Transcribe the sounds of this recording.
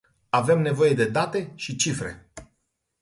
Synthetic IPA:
ave̞mne̞vo̞je̞d̪e̞d̪at̪e̞ʃit͡ʃifɾe̞̰

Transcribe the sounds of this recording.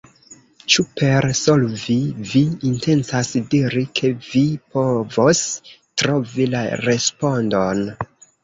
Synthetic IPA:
t͡ʃupe̞ɾsolviviːnte̞nsasdiɾikʰe̞vipo̞vo̞stɾovilaɾe̞spo̞ndon

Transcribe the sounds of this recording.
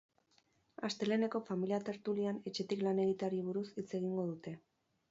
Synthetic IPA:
ast̪e̞le̞ne̞ko̞familiat̪e̞ɾt̪uliane̞t͡ʃe̞t̪iklane̞ɣ̞it̪aɾiβ̞uɾusit͡se̞ɣ̞iŋɡo̞ðut̪e̞

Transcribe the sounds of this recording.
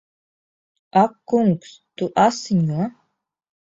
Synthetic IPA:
akːuŋks | t̪uʔasɲuɐ

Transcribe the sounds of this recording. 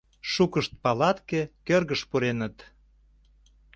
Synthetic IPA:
ʃukəʃt̪̚pɑlɑt̪kekørɣəʃpuɾenət̪

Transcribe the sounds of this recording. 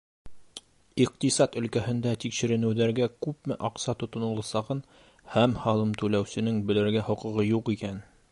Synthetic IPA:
iq̚t̪isɑt̪ɵ̆lkæhɘ̆nd̪æt̪ikʃɘ̆ɾɘ̆nɘ̆wðæɾɡækʉp̚mɘʔɑqsɑt̪ŏt̪ŏnɤ̆lˠɑsɑʁɤn | hæmhɑlˠɤmt̪ʉlæwsɘ̆nɘŋbɘ̆lɘ̆ɾɡæhŏqɤ̆ʁɤjuqikæn

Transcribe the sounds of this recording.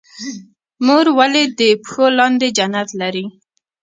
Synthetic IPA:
muɾwaled̪əpxolɑnd̪ed͡ʒanat̪laɾi

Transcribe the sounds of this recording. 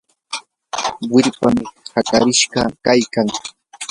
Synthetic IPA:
wɪɾpamɪhaka̰ɾɪʃɢɑkajkaŋ

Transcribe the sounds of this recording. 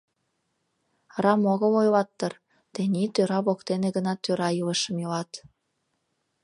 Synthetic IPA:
rɑmoɣɤ̆lojlɑt̪ːɤr | t̪enʲit̪øɾɑβokt̪eneɣənɑt̪øɾɑjɯləʃə̆mjolɑt̪

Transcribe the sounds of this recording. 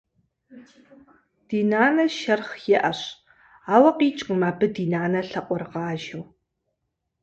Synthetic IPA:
d̥iːnaːnɐʃɐrχjɛʔɐɕ | aːwɐqiːt͡ʃʼqəmaːbɨdiːnaːnɐɬɐqʷʼɔrʁɑːʒɪw

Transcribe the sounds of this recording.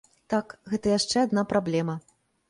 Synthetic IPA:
t̪akɣɛt̪ɐjaʂt͡ʂɛad̪napɾablʲɛmɐ

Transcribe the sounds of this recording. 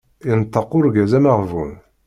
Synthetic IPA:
ənt̪ːɑqʊɾɡæzæmaʁvun

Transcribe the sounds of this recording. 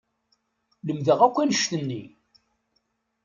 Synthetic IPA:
ləmðəʁækʷːænəʃt̪ənːḭ

